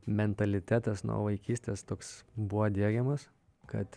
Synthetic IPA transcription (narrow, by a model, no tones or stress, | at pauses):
mʲɛnt̪ɐlʲɪt̪ʲæːt̪ɐsnṵːʋɐɪkʲiːsʲt̪ʲeːst̪oːksbuʋod̪ʲiɛɡʲɛmɐs | kɐ̰t̪